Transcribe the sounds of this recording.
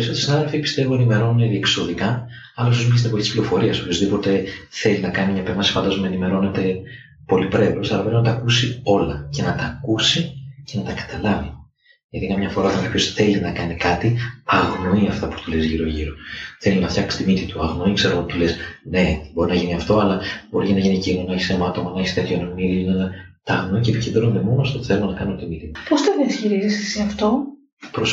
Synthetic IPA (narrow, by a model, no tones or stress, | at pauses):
ɾisot̪ɾisinɐðelfipi̥st̪e̞voenimeɾo̞nunet̪iekso̞ðikɐ | ɐlɐus̬omiis̬t̪nepiispliɾo̞fo̞ɾiɐsopço̞zðipo̞t̪e̞θe̞linɐkɐnimɲɐpemɐsi̥fɐnd̪ɐzmɐenime̞ɾo̞ne̞t̪e̞ | po̞lipɾe̞vosɐlɐpɾepinɐt̪ɐːkusio̞lɐce̞nɐt̪ɐːkusice̞nɐt̪ɐkɐ̥t̪ɐlɐvi | ʝɐt̪ikɐmɲɐfo̞ɾɐot̪ɐkɐpço̞sθe̞linɐkɐnikɐt̪iɐɣno̞iɐft̪ɐpu̥t̪ulezʝiɾo̞ʝiɾo̞θe̞linɐft̪çɐksi̥st̪imit̪it̪uɐɣno̞ikseɾɐot̪it̪ule̞sne̞bo̞ɾinɐʝiniɐft̪o̞ɐlɐb̥o̞ɾicenɐʝinicinonɐçisemɐt̪o̞mɐnɐçist̪et̪çonɐmiðinɐnɐt̪ɐːɣnoicepicend̪ɾoond̪e̞mo̞noɐft̪ot̪u̥θelumonɐkɐnot̪imit̪it̪upost̪enesçiɾizisisiɐft̪o | pɾos